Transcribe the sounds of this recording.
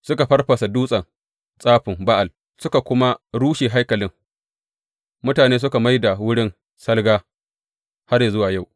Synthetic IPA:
sʊ˦ka˨ɸɐ˦rɸɐ˨sa˨duː˦sʼɐ˨ŋ | sʼaː˦ɸɪ˨mba˦ʔa˨l | sʊ˦ka˨kʷʊ˦ma˦ɽuː˦ʃeː˨ɦa˦jkɐ˨lɪ˦ŋ | mʊ˦taː˨neː˦s̬ʊ˦ka˨ma˦jda˨wʊ˦ɽɪ˦n | sɐ˦lɡaː˦ | ha˦rja˨zʊ˦waː˨ja˦˨w

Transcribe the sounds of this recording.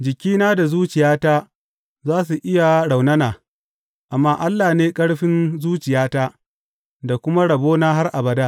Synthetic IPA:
d͡ʒɪ˨kʲiː˦naː˦da˨zuː˦t͡ʃɪ˨jaː˦taː˦ | zaː˦s̬u˨ʔɪ˦ja˨ɽa˨wnɐ˦naː˨ | ʔa˨mːaː˦ʔa˦lːaː˨neː˦kʼɐ˦ɽɸɪ˦nzuː˦t͡ʃɪ˨jaː˦taː˦ | da˨kʷʊ˦ma˦ɽɐ˨boː˦na˦ɦa˦rʔa˨bɐ˨daː˦

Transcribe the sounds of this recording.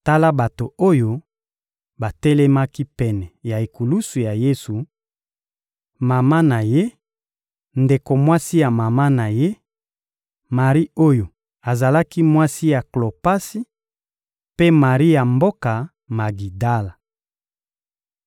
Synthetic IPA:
ta˦la˦ba˨to˨o˦jo˦ | ba˨tɛ˦le˦ma˦ki˦pɛ˨nɛ˨ja˨e˨ku˨lu˦su˨ja˨je˦su˨ | ma˨ma˦na˨je˦ | nde˨ko˨mwa˦si˦ja˨ma˨ma˦na˨je˦ | ma˨ʁi˦o˦jo˨ | a˨za˨la˦ki˦mwa˦si˦ja˨klo˨pa˦si˦ | pe˦ma˨ʁi˦ja˨mbo˦ka˨ | ma˨ɡi˨da˦la˨

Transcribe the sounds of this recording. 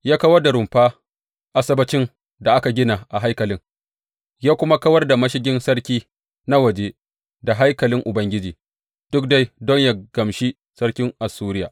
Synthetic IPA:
jaː˦kɐ˦wɐ˦rda˨ɾʊ˨mɸaː˦ | ʔa˦sɐ˦bɐ˦t͡ʃɪ˦ŋ | da˨ʔa˦ka˨ɡʲɪ˦na˨ʔa˨ɦa˦jkɐ˨lɪ˦ŋ | jaː˦kʷʊ˦ma˦kɐ˦wɐ˦rda˨mɐ˦ʃɪ˦ɡʲɪ˦nsɐ˦ɽkʲiː˦ | na˦wɐ˨d͡ʒe˦ | da˨ɦa˦jkɐ˨lɪ˦ŋʔʊ˨bɐ˦ŋɡʲɪ˦d͡ʒiː˨ | d̥ʊ˦k̚da˦jdɔ˦ɲja˨ɡ̥ɐ˨mʃi˦ | sɐ˦rkʲɪ˦ŋʔa˨suː˦ɾɪ˦ja̰ː˨

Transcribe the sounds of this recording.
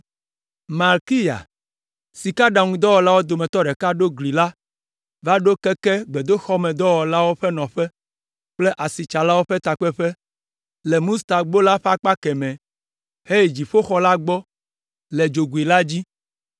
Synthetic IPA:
ma˨lki˦ja̰˨ | si˨ka˦ɖa˨ŋũ˦d̪ɔ˦wɔ˨la˦wo˦d̪o˨mɛ̃˨t̪ɔ˦ɖɛ˨ka˦ɖo˦ɡli˨la˦ | va˦ɖo˦kɛ˦ke˦ɡ͡be˨d̪o˦xɔ˦mɛ˨d̪ɔ˦wɔ˨la˦wo˦ɸɛ˦nɔ̃˨ɸɛ˦ | k͡ple˦ʔa˨si˨t͡ʃa˨la˦wo˦ɸɛ˦t̪a˨k͡pɛ˦ɸɛ˦ | lɛ˨mũ˦st̪a˨ɡ͡bo˦la˦ɸa˦k͡pa˦kɛ˨mɛ̃˨ | he˦˨d͡ʑi˨ɸo˦xɔ˦la˦ɡ͡bɔ˦ | le˨d͡ʒo˨ɡu˨i˨la˦d͡ʑi˦

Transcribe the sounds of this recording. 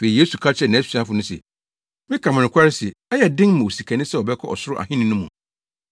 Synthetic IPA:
fe˨i˨jeː˦su˨kʰa˦t͡ɕʰɛ˨nã˨˦sã˦fʊ˨nʊ̃˦sɛ̰˨ | mɪ̃˦kʰa˨mɪ̃˨nɪ̃˨kʷʰa˦ɾɪ˦sɛ˨ɛ˦jɛ˨dɪ̃˦ŋmã˨o˨si˨kʰa˨nɪ̃˦sɛ˦wɔ˨bɛ˦kʰɔ˦ɔ˨sʊ˦ɾʊ˦ʔa̰˨ɦɪ̃˦nɪ̃˦nʊ̃˦mũ˨

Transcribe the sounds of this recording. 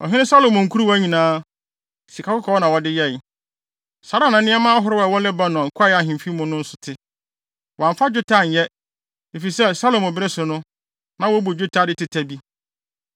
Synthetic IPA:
ɔ̰˨ɦɪ̃˦ɪ̃˦sa˦lo˨mʊ̃˨ŋ̩˨kʰu˦ɾu˦wæ˦ɲĩ˨nãː˦ | si˨kʰa˨˦kʊ˦kʰɔ˨˦ɔ˦nã˨wɔ˨dɪ˦jɛ˦˨ | sa˨ɾa˦nã˨˦nɪ̃˦ɛ˦mãː˦a˦ɦʊ˦ɾɪ˦wa˨wɔ˦lɛ˦ba˦nʊ̃˨ŋ̩˨kʰa˦jɪ˦a˨ɦɪ̃˨m˨fi˦mʊ̃˦nʊ̃˦n̩˦sʊ̥˨tʰɪ˨ | wã˨ɱ˨fa˦d͡ʑᶣʊ˦tʰa˦˨n̩˨jɛ˦ | e˨fi˨sɛ˦˨sa˦lo˨mɔ˨bɪ˦ɾɪ˦sʊ˨nʊ̃˦ | nã˨wɔ˦bu˨d͡ʑᶣʊ˦tʰa˦˨dɪ˦tɪ˨˦tʰæ˨bi˦

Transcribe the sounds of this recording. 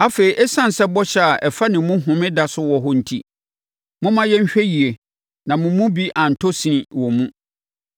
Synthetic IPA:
a˦fe˨ɾi˨ʔɛ˦sã˦n̩˨sɛ˦bɔ˦ɕɛ˦a˨ʔɛ˨fa˦nɪ̃˨˦mʊ̃˦ɦʊ̃˨mɪ̃˦da˨sʊ˦wɔ˨ɦɔ˦n̩˨tʰḭ˦ | mʊ̃˦mã˦jɛ˦ɲ̩˦ɕᶣɛ˦ji˨e˨ | nã˨mʊ̃˨mʊ̃˦bi˦ʔã˨n̩˨tʰɔ˦sĩ˨nĩ˨wɔ˨mũ˦

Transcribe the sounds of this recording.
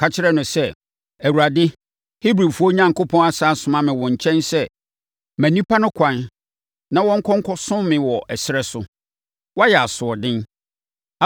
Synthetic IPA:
kʰa˨t͡ɕʰɪ˦ɾɛ˦nʊ̃˨sɛ˦ | æ˨wu˨ɾa˨dɪ˦ | hi˦bɾi˨fu˦ɔ˦ɲã˦ŋkʊ˦pʰɔ̃˦na˦saː˦sʊ̃˨mã˦mɪ̃˨wɔ̃˨ɲ̩˨t͡ɕʰɛ̃˦nsɛ˦ | mæ̃˨nĩ˦pʰa˦nʊ̃˦kʷʰã˨n | nã˦wɔ̃˦ŋ̩˦kʰɔ̃˦ŋ̩˦kʰɔ˦sʊ̃˦mmɪ̃˨wɔ˨ʔɛ˨sɪ˦ɾɛ˦sʊ˨ | wɔ˦a˦jɛ˨a˨sʊ˨ɔ˨dɪ̃˦n˨

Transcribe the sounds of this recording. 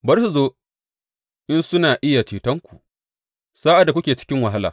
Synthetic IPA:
bɐ˦ɾsu˨zoː˦ | ʔɪ˦nsʊ˦naː˨ʔɪ˦ja˨t͡ʃeː˨tɐ˦ŋkʷu˨ | saː˦ʔa˨dkʷʊ˦kʲeː˨t͡ʃɪ̥˦kʲɪ˦ŋwa˨ɦa˦la̰ː˨

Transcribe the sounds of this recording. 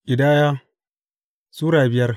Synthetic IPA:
ʔɪ˨daː˦jaː˦ | suː˦ɽaː˨bɪ˦jɐ˦r

